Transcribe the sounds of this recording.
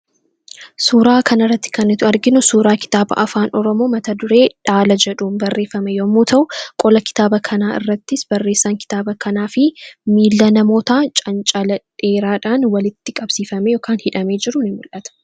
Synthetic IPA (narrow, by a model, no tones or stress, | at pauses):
suːɾaːkɐnɐrːɐt̪ːɪ̥kɐnɪt̪ʊɐɾɡɪnʊsuːɾaːkɪ̥t̪aːbɐ̰ʔɐfaːnɔɾɔmo̞ːmɐt̪ɐd̪ʊɾe̞ːᶑaːlɐd͡ʒɛᶑuːmbɐrːe̞ːfɐmɛjoɐmːuːt̪ʰɐʔʊkʼɔlɐkɪ̥t̪aːbɐkʰɐnaːʔɪ̰rːɐt̪ːɪsbɐrːe̞ːsːaːŋkɪ̥t̪aːbɐkʰɐnaːfɪmiːlːɐnɐmo̞ːt̪aːt͡ʃʼɐnt͡ʃʼɐlɐᶑeːɾaːᶑaːnwɐlɪt̪ːɪkʼɐbsiːfɐmejoːkaːnhɪᶑɐme̞ːd͡ʒɪɾʊnɪmʊlʔɐt̪ɐ̥